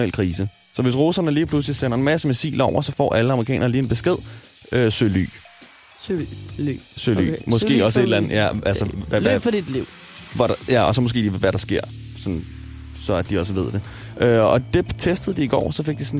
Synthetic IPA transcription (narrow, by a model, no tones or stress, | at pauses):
ɛlkʰʁiːsə | sɒ̽ʋe̝s̬ʁo̝sɐnəliːpʰlusliseɐnɐenmæsəmesḭːlɒʊ̰ɐsɒ̽fɒ̰ːʔæləɑmʁikɛ̰ːnɐːliːed̥̚b̥e̝sɡ̥eð̞̰ˠ | øsøly̰ː | søly̰mɒ̽sɡ̥e̝̰ːɒ̽səed̥lænð̩ˠjæælsɐfɒd̥id̥liʊ̰ | ʋɒdjæɒ̽sɒ̽mosɡ̥e̝̰ːdiːʋeʋæɐɾ̥ɑ̈sɡ̥e̝ɐ̰ | sɒ̽n | sɒ̽æd̥iɒ̽s̬əʋe̝ð̞̰ˠd̥e̝ | ʔøɒ̽d̥e̝t͡sʰesd̥əð̞̩ˠd̥iːɡ̥ɒ̰ːsɒ̽fe̝ɡ̥̚d̥isɒn